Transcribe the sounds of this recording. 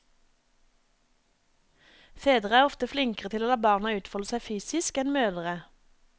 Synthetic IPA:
feːd̪ʁəæːʁɔft̪əflɪŋkəʁət̪ɪloːd̪ɑːbɑːʁnɑːʉːt̪fɔləsæɪfyːsɪskɛnmøːd̪əʁə

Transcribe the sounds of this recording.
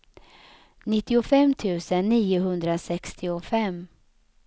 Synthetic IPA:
nɪt̪ːɪʊfɛmːt̪ʰʉ̟ːsənːiːʊɦɵnd̪ɾasɛkst̪ʰɪʊfɛmː

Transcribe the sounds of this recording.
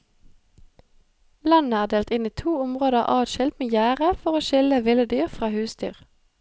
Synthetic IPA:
lɑnəæːd̪eːlt̪ɪniːt̪ʰuːʊmʁoːd̪əʁʔɑ̰ːd̪ʃɪlt̪meːjæːʁəfɔʁoːʃɪləʋɪləd̪yːʁfʁɑːhʉːsd̪y̰ːʁ

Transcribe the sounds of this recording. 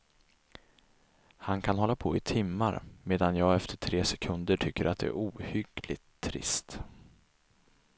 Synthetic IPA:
hankʰanhɔlːapʰoɪt̪ʰɪmːaɾmeːd̪anjɑːɡɛft̪ʰəʈʰɾeːsɛkʰɵnd̪əʈʰʏkːəɾʔat̪̚d̪ɛæ̰ɾuːhʏɡlɪt̪ʰːɾɪ̰st̪

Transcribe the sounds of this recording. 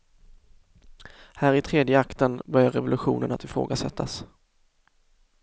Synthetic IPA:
hæːɾɪt̪ʰɾeːd̪jəakt̪ənbœɾjaɾɛvʊlɵɧṵːnənat̪ɪfɾo̰ːɡasɛt̪ʰːas

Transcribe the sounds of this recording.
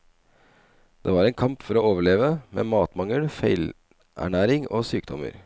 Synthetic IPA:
d̪̥ḛːʋɑːɾɛɪnkʰɑmpfɔɾɔoːʋəɭeːʋəmḛːmɑːt̪mɑŋəlfeɪl | ʔæ̰ɳæːɾɪŋo̰ːsyːkd̪ɔmə̰ɾ

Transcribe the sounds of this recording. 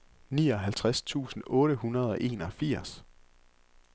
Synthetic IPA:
niːɒ̽ɦælt͡sʰʁast͡sʰṵːsn̩ɔ̽ːɾ̥əɦunɐð̞ˠɒ̽ʔe̝̰ːnɒ̽fiɐ̰s

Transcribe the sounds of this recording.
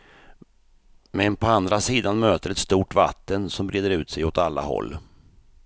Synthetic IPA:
mɛnpʰɔand̪ɾasiːd̪anmøːt̪əɾɛt̪st̪uːʈva̰t̪ːənsɔmbɾeːd̪əɾʉ̟ːt̪sɛjɔt̪alːa̰hɔ̰lː

